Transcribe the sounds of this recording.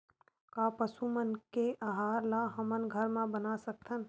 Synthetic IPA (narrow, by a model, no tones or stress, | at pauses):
kapəsumənkeʔaɦaːɾlaɦəmənɡʱəɾmãbənasək̚t̪ʰən